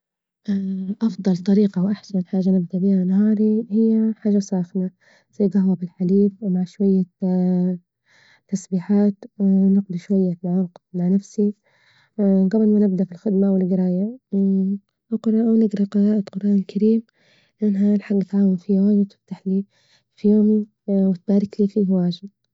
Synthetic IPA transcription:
ʔʔɑfd̪ˤɑlt̪ˤɑɾiːqɑwʔaħsanħaːʒanɪb̚d̪aʔbiːhanaɦɑːɾihɪjːaħaːʒasˤɑːxna | siːɡaɦwabɪlħaliːbwmaʕʃwajːa | t̪ːasbiːħaːt̪nɪqd̪iʃwajːat̪ʕaːqmaʕnafsi | ɡabɪlmanɪb̚d̪aʔfilxɪd̪mawɪlɡɪɾˤɑːja | ʔqɾˤʔwnɪɡɾˤɑqɨɾˤɑːʔat̪qʊɾˤʔaːnɪlkaɾiːm | lʔanːɦalħaɡːʔɪt̪ʕaːwanfiwaːʒɪt̪ɪ̥ft̪aħli | fijoːmn | wɪt̪̚baːɾɪkliːfiːhwaːʒɪd̪

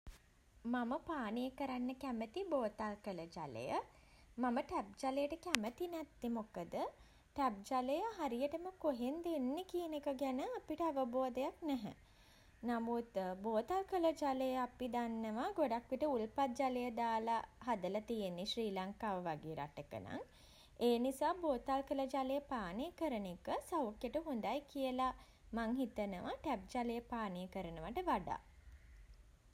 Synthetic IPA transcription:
maməpaːnijəkəɾanːəkæmət̪iboːt̪alkələd͡ʒa̰lə̰jə | maməʈæp̚d͡ʒaləjəʈəkæmət̪inæt̪ːimokəd̪ə | ʈæp̚d͡ʒaləjəɦaɾijəʈəməkoɦend̪enːekijənekəɡænəapiʈəaʋəboːd̪əjak̚næɦɛ̰ | namut̪boːt̪alkələd͡ʒaləjəapid̪anːəʋaɡoɖakʋiʈəulpat̪̚d͡ʒaləjəd̪aːlaɦad̪əlat̪ijenːiʃriːlaŋkaːʋəʋaɡeːɾʔa̰ʈəkə̰na̰ŋ | eːnisaːboːt̪alkələd͡ʒalejəpaːnijəkəɾənekəsawkjəʈəɦund̪ajkijəla | maŋɦit̪ənəʋəʈæp̚d͡ʒalejəpaːnijəkəɾənəʋəʈəʋaɖa̰ː

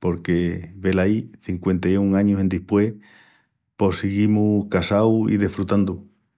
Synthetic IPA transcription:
po̞ɾkeβe̞laiθiŋkwe̞nt̪ajuŋaɲusend̪ihpwe̞ | po̞siɣimuhkasawḭðefɾut̪and̪u

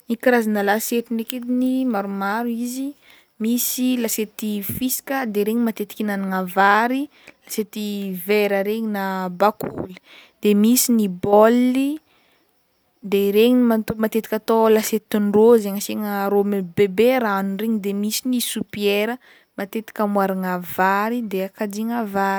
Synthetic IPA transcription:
nikiɾazanəlaseʈ͡ʂineked̪inimaɾumaɾuizi | misilaset̪ifisi̥kəd̪eɾeɲimat̪et̪i̥kʲinaniŋavaɾi | laset̪iveɾəɾeɲinabakṵli̥ | d̪̥emisinibolːi | d̪eɾeɲimat̪mat̪et̪i̥kʲat̪olaset̪iɳrozeŋaseŋəɾomebebeɾaanunreɲid̪emisinisupieɾə | mat̪et̪i̥kʲəmwaɾaŋavaɾid̪eakad͡ʒiŋavaɾ

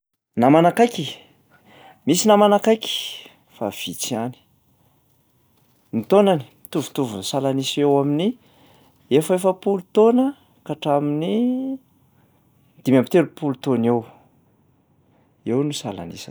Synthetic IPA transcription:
namanakajki | misinamanakajki̥ | fa̰v̥it͡siani̥ | nit̪onani̥ | t̪uvu̥t̪uvunsalanisewamini | efəefəpulut̪onə | kaʈ͡ʂamini | d̪̥imampi̥t̪elupulut̪onew | ewnusala̰nḭsḁ

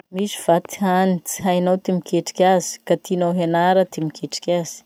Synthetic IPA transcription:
mizi̥v̥at̪i̥ɦanit͡si̥ɦajnawt̪imikʲeʈ͡ʂi̥kʲaz̥i̥kat̪inawɦenaɾət̪imikeʈ͡ʂi̥kʲaz̥i̥

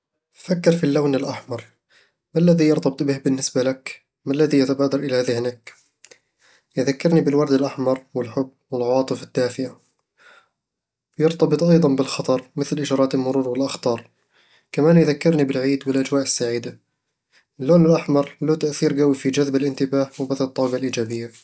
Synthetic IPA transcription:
fakːɪɾfilːawːnɪlʔaħmɑɾˤ | malːaðijɑɾt̪ˤɑbɨt̪ˤbɪhbɪnːɪsbalak | malːaðijat̪abaːd̪ɑɾˤʔɪlahaːðɪhɪnaːk | jɪðakːɪɾnibɪlwɑɾˤd̪ɪlʔaħmɑɾˤwɪlħʊbːwɪlʕawɑːt̪ˤɨfɪd̪ːaːfɪʔa | jɑɾt̪ɑbɨt̪ˤʔɑjd̪ˤɑnbɪlxɑt̪ˤɑɾˤmɪθlʔɪd͡ʒɑːɾˤɑːt̪ɪlmʊɾuːɾwɪlʔɑxt̪ˤɑːɾˤ | kamaːnjðakːɪɾnibɪlʕiːd̪wɪlʔad͡ʒwaːʔɪsːaʕiːd̪a | ʔɪlːoːnɪlʔaħmɑɾˤloːt̪aʔθiːɾɡawifid͡ʒaðbɪlʔɪnt̪ɪbaːhwɪbaθlɨt̪ˤːɑːɪbalʔiːd͡ʒaːbɪjːa

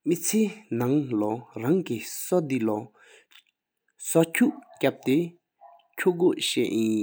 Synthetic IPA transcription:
mit͡sʰeːnaŋlɔɹaŋkisɔd̪ilɔ | sɔcʰuʔcap̚t̪e | cʰuʔkoʔɕɛʔjin

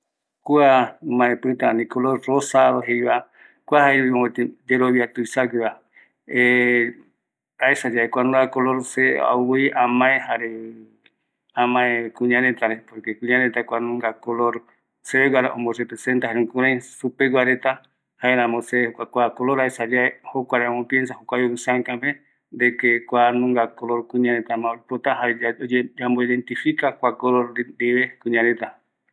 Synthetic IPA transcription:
kuamãẽpɨt̪anĩkoloɾrosaɾoɦejβa | kʷuahaeɾiõet̪id͡ʒeɾoβjiat̪uisaɡɨa | e | aesad͡ʒaekʷanũŋɡakoloɾsea̰wiiʔamãẽhaɾe | amãekuɲãnẽt̪aɾepoɾkekuɲãnẽt̪akʷanũŋɡakoloɾ | seeɡwaɾaʔõmborepɾesent̪aɦeɾũŋkũɾãj̃supeɡaɾet̪a | haeɾãmoseehokʷakʷakoloɾaesad͡ʒaehokʷaɾamopjensahokʷajoβɨsãkãpe | d̪ekekʷanũŋɡakoloɾkũɲãɾet̪amãoɾipot̪aɦaeamboiðent̪ifikakʷakoloɾɾiβekuɲãɾet̪a

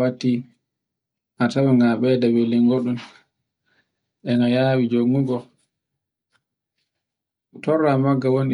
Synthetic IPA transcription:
watːi | ʔatawaŋɡaɓɛdawɛliŋɡoɗum | ɗɛŋɡajaːwid͡ʒoŋːuɡɔ | tɔrːamaɡːawon

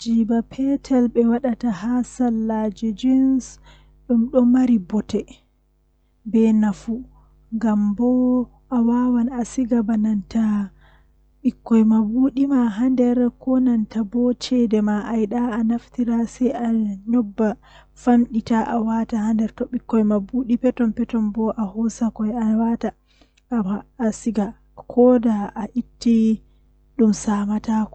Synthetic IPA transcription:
d͡ʒiːbapʰɛtʰɛlɓɛwaɗatahasalːad͡ʒɛd͡ʒins | ɗumɗɔmaɾibɔtɛ | bɛnafu | ŋɡambɔ | ʔawawanasiɡabananta | ɓikːɔjmabuɗimaɦandɛɾkɔnantabɔt͡ʃɛdɛmaʔajɗaːnaftiɾasɛjaɲɔbːa | famɗitaʔawatahandɛɾtɔɓikːɔjmabuɗipɛtɔmpɛtɔnbɔʔahɔsakɔjawata | aːsiɡa | kʰɔdaʔaʔitːi | ɗumsamatakɔ

